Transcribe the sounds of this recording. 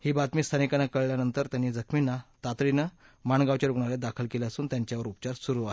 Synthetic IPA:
hiːbat̪miːst̪ʰanikanːakəɭljanənt̪əɾt̪janːiːd͡zəkʰminːat̪at̪ɾinə | maɳɡaʋt͡ɕaɾuɡɳaɾjad̪akʰəlkelaəsuːnt̪jaɲt͡ɕjaʋəɾupt͡ɕaɾsuɾuːaɦe

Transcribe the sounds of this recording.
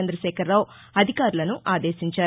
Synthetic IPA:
end̪ɾɐʃɛːkʰɐɾːaːwu | ɐd̪ʱikaːɾulɐnuʔaːd̪e̞ːʃiɲt͡ʃaː

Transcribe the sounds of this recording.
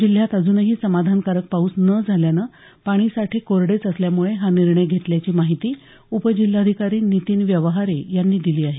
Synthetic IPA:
d͡ʑil̤jat̪əd͡zuːnəɦiːsəmad̪ʱankaɾək̚pauːsnəd͡zʱaljanə | paɽ̃iːsaʈʰiːkoɾɽet͡səsljamuɭeɦaniɾɳəjɡʱet̪ljat͡ɕiːmaɦit̪iː | upəd͡ʑil̤ːad̪ʱikaɾiːnit̪iːnʋjəʋəɦaɾejanːiːd̪iliːaɦe

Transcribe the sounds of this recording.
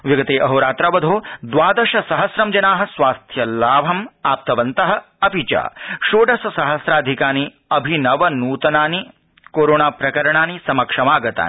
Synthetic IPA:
ʋiɡɐt̪eːʔɐɦoːɾaːt̪ɾɐʋɐd̪ʱoːd̪ʋaːd̪ɐʃɐsɐɦɐsɾɐmd͡ʒɐnaːɦɐ̆sʋaːst̪ʰjɐlaːʋʱɐmaːp̚t̪ɐʋɐnt̪ɐɦɐ̆ | ɐpit͡ʃa̰ːʃoːɖɐsɐsɐɦɐsɾaːd̪ʱikaːni | ɐbʱinɐʋɐnuːt̪ɐnaːni | koːɾoːnaːpɾɐkɐɾɐɳ̃aːnisɐmɐkʂɐmaːɡɐt̪a̰ːn

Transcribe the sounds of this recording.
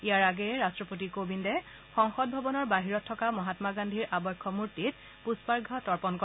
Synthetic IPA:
ijaɹaɡɛɹastɹɔpotikobindɛ | xɔŋxɔd̚bʱɔbɔnɔɹbaɦiɹɔtʰːɔkamɔɦatmaɡandʱiɹʔabɔjkʰːɔmuɹtit̚ | puspaɹɡʱɔtɔɹpɔnkɔ

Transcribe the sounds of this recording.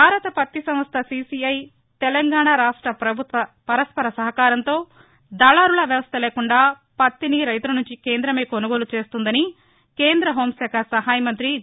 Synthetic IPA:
bʱaːɾɐt̪ɐpɐt̪ːisɐmʋɐst̪ʰɐsiːsiɐj | t̪ɛlɐŋɡaːɳaɾaːʂʈɾɐpɾɐbʱut̪ʋɐpɐɾɐspɐɾɐsɐɦɐkaːɾɐnt̪o̞ː | d̪ɐːlaːɾulɐʋjɐʋɐst̪ɐleːkuɳɖaː | pɐt̪ːiniɾɐjt̪ulɐnuɲt͡ʃikeːnd̪ɾɐmeːkonuɡo̞ːlut͡ʃe̞ːst̪und̪ɐni | keːnd̪ɾɐɦo̞ːmsɛːkʰɐsɐɦaːjɐmɐnt̪ɾi

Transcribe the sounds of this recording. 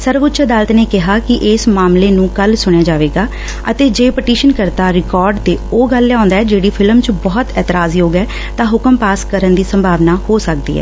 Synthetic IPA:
səɾʋʊtːt͡ʃəd̪aːlət̪neːkɪɦaːkɪʔeːsmaːmleːnũːkəlsʊɽ̃jaːd͡ʒaːʋeːɡaː | ət̪eːd͡ʒeːpəʈiːʃənkəɾt̪aːɾɪkɔːɾɖt̪eːoːɡəlːɛãːnd̪aːɛːd͡ʒeːɽiːpʰɪlmt͡ʃbɔːt̪ɛːt̪əɾaːzjoːɡɛː | t̪ãːɦʊkəmpaːskəɾənd̪iːsəmbʱaːʋnaːhoːsək̚d̪ḭːɦɛ̰ː

